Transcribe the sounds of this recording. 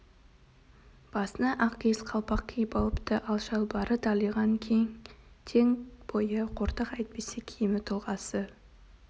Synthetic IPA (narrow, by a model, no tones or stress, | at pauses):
b̥ɑsənɑʔɑqkʲʰe̞zqʰɑlˠpɑq̚kʲʰejɪpɑlˠəpt̪əʔɑlˠʃɑlˠbɑɾət̪ʰɑlˠijʁɑŋkʲʰejŋ | t̪ʰe̞ŋb̥o̞jəqʰoɾt̪əqɑjt̪̚pesekʲʰejɪmɪt̪ʰʊlˠʁɑsə